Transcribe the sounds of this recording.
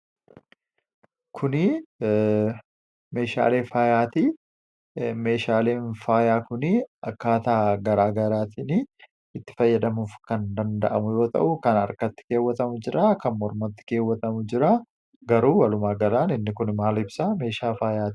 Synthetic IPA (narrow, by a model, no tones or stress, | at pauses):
kʰʊnɪ | me̞ːʃa̰ːle̞ːfaːjaːt̪i | me̞ːʃaːle̞ːnfaːjaːkʊnɪɐkːaːt̪aːɡɐɾaːɡɐɾaːt̪iːni | ɪt̪ːɪ̥fɐjːɐd̪ɐmuːfkɐnd̪ɐnd̪ɐʔɐmʊjo̞ːt̪ɐ̰ʔʊkɐnɐɾkɐt̪ːɪ̥ke̞ːwːɐt̪ɐmʊd͡ʒɪɾaːkɐnmɔɾmɐt̪ːɪ̥ke̞ːwːɐt̪ɐmʊd͡ʒɪɾaː | ɡɐɾuːwɐlʊmaːɡɐɾaːnɪnːɪkʊnmaːlɪbsame̞ːʃaːfaːjaːt̪i̥